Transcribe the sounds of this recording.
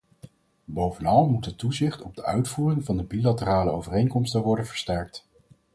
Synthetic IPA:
bowvənɑlˠmutətːuzɪχtɔb̚dəœɥtfuːrɪŋvɑndəbilatəraːləowvərejŋkɔmstəʋɔɹdənvəɹstɛɹk̚t

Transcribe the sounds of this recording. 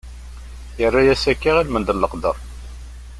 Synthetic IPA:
jərːajæsækːiʁilmənd̪əlːəqd̪əɾˤ

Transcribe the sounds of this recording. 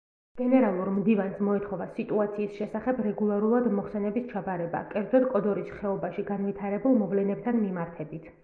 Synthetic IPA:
ɡ̥ɛnɛɾalˠuɾmd̪ivansmɔɛt̪ʰχɔvasit̪ʼuat̪sʰiːsʃɛsaχɛbɾɛɡulˠaɾulˠad̪mɔχsɛnɛbist͡ʃʰabaɾɛba̰kʼɛɾd̪zɛd̪kʼɔd̪ɔɾisχɛɔbaʃiɡanvit̪ʰaɾɛbulˠmɔvlɛnɛp̚t̪ʰanmimaɾt̪ʰɛbit̪ʰ

